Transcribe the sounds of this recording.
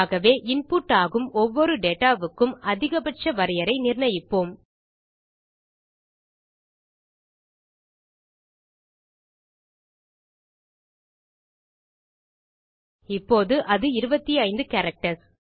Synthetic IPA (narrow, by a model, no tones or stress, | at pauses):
ɣɐʋeːʔɪnpuːʈːaːɣɯmɔʋːɔɾɯɖeːʈaːʋɯkːɯmɐðɪɣɐbɐʈ̚t͡ʃɐʋɐɾɐjɐɾɐɪnɪrɳɐjɪpːoːm | ɪpːoːðɯʔɐðɯɪɾɯbɐt̪ːiɐɪnd̪ɯkɐɾɐk̚ʈɐs